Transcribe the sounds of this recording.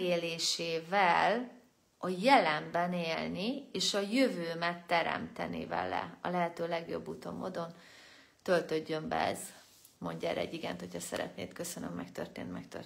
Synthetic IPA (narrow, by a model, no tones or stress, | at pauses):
ɡeːleːʃeːvɛl | ɒjɛlɛmbɛneːlnieːʃɒjøvøːmɛt̪ːɛɾɛ̰mt̪ɛnḭvɛ̰lɛ̰ɒlɛɦɛt̪øːlɛɡjo̞̰bːut̪o̞̰mːoːd̪o̞n | t̪ø̞lt̪ø̞ɟːø̞mbɛ̰ɛ̰z | mo̞ɲɟɛːɾːɛɛɟːiɡɛnt̪ho̞chɒsɛ̰ɾɛ̰t̪nḛːt̪kø̞sønømːɛkt̪ø̰rt̪ḛːnt̪mɛkt̪ø̰